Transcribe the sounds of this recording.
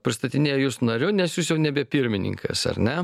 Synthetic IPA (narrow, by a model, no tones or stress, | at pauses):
pʲɾʲɪst̪ɐt̪ʲɪnʲeːjɛjuːsnɐɾʲʊnʲɛsjuːs̬jɛʊnʲɛbʲɛpʲɪɾʲmʲɪnʲɪ̰ŋkʰɐ̰sɐ̰ɾʲnʲɛ